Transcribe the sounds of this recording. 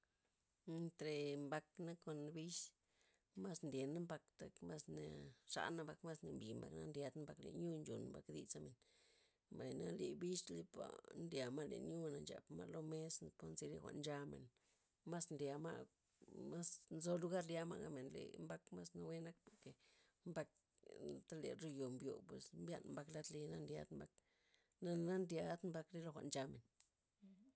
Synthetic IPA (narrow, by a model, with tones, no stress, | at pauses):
e˧nt̪ɾe˨mba˧kna˦ko˧nbi˦ʃ | ma˦snd̪je˨na˦mba˧kt̪a˨kma˦sne˧ʂa̰˧na˧mba˧kma˦sne˨mbi˨mba̰˨kna̰˦ndʲja˧d̪n˦mba˧klḛ˨ɲju˦nd͡ʒu˨nmba˨kd̪ḭ˧t͡sa˦me˨n | mba˨jna˦li˧bi˦ʃli˦pa̰˨ndja˨ma˦le˨ɲju˦na˨nt͡ʃa̰˨pma̰˦lo˦me˦spo˦nzi˧le˧xʷa̰˧˨ʔnd͡ʒa˧mḛ˨n | ma˦snlja˨˧ma̰˦˧ | ma˦snzo˧lu˧ɡa˦˧ɾlja˧ma̰˦ɡa̰˧me˨nlḛ˨mba˦kma˦sna˧we˦na˦k̚po˨ɾke˨ | mba˧k̚ | t̪a˦le˨ɾo˧jo˨mbjo˨pwe˨smbja̰˦nmba˧kla˦t̪le˧na˦nd̪ja̰˧d̪mba˧k̚ | na˧na˦ndja˧d̪mba˧kɾe˦lo˧xʷa˧˨ʔnd͡ʒa˧me˨n